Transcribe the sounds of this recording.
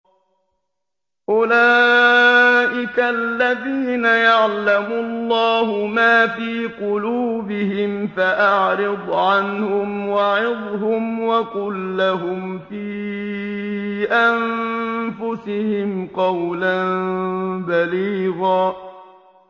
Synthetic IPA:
ʔʊlaː | ʔɪkalːaðiːnajaʕlamʊlˤːɑːhʊmaːfiːqʊluːbɪhɪmfaʔaʕɾɪd̪ˤʕanhʊmwaʕɪðˤɦʊmwakʊlːaɦʊmfiː | ʔanfʊsɪhɪmqɑwlanbaliːɣaː

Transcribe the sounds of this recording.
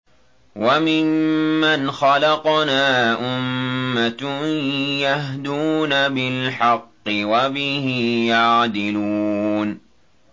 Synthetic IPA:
wamɪmːanxɑlɑqnaːʔʊmːat̪ | jahd̪uːnabɪlħɑqːɪwabɪhɪjaʕd̪ɪlun

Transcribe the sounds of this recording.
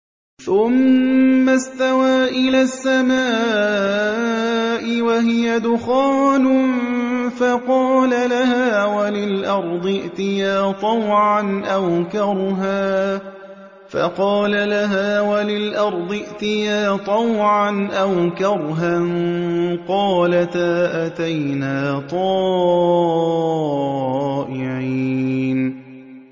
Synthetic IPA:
θʊmː | ast̪awaːʔɪlaːsːamaː | ʔɪwaɦɪjad̪ʊxaːnʊ | fɑqɑːlalahaːwalɪlʔɑɾˤd̪ˤɨʔt̪ɪjaːt̪ˤɑwʕanʔawkɑɾˤɦaː | fɑ̰qɑːlalaɦaːwalɪlʔɑɾˤd̪ˤɨʔt̪ɪjaːt̪ˤɑwʕanʔawkɑɾˤɦanqɑːlat̪aːʔat̪ajnaːt̪ˤɑː | ʔɪʕiːn

